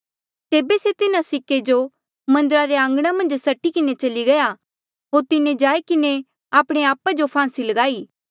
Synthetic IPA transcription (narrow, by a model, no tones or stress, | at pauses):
t̪eːbeset̪ɪnasɪkːed͡ʒo | mɐ̃nd̪əɾaɾeãːŋɡɽ̃amɐ̃nd͡ʒsɐʈikɪnet͡ʃɐliɡɐja | ɦoːɾt̪ɪned͡ʒaːikɪne | aːpɽ̃eaːpad͡ʒopʰãːsilɐɡaːiː